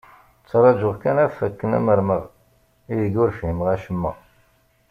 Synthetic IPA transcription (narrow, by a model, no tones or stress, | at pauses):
t͡sːɾˤɑd͡ʒʊʁkænæfækːənæ̰məɾməʁ | ijəɡʊɾfhimʁæʃəmːə̰